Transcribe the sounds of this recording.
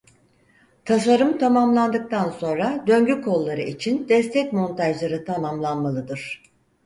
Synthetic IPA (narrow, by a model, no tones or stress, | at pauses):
t̪ʰas̬aɾɯmt̪ʰamamlˠand̪ɯk̚t̪ʰanso̞nɾad̪ø̞ɲɟykʰo̞lˠːaɾɯit͡ʃʰind̪ɛst̪ʰɛcmo̞nt̪ʰaʒlˠaɾɯt̪ʰamamlˠanmalˠɯd̪ɯɾ̥